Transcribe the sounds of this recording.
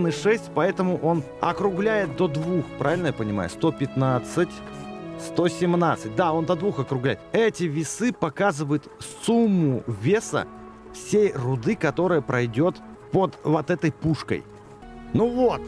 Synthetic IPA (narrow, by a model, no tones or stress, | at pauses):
nɨʂɛsʲtʲpɐɛt̪əmʊʔo̞n | ɐ̰kɾʊblʲæjɪt̪̚d̪od̪vuxpɾavʲɪlʲnəjapənʲɪma̰jʊ̰st̪o̞pʲɪt̪nat̪sɨtʲst̪o̞sʲɪmnat̪sɨt̚ʲd̪ao̞nd̪ɐd̪vuxɐkɾʊɡlʲæjɪt̪ɛtʲɪvʲɪsɨpɐkazɨvəjʊt̪sumːʊvʲe̞sə̰ | fsʲejrʊd̪ɨkɐt̪o̞ɾəjəpɾʔɐjdʲo̞t̪ | pod̪vot̪ɛt̪əjpuʂkə̰j | nuvot̪